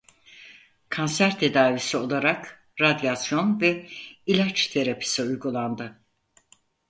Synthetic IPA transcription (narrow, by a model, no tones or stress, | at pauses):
kʰansæɾt̪ʰe̞d̪aːvisio̞lˠaɾak | ɾad̪jasjo̞nvɛilʲat͡ʃt̪ʰe̞ɾapʰi̥siujɡulˠand̪ɯ